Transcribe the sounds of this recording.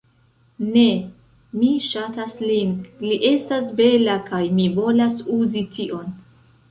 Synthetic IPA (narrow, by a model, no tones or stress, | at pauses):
ne̞ | miʃataslinliʔe̞stasbe̞lakajmivo̞lasuzitʰiʔo̞n